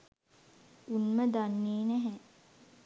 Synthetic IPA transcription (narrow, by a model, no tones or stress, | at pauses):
unməd̪anːeːnɛɦɛ